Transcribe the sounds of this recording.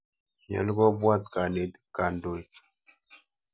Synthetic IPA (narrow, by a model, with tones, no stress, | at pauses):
ɲa̰˨˦lɡo˦bwa˦t̪ka˨ne˨d̪i̥˦kːa˨ndo˨i˨k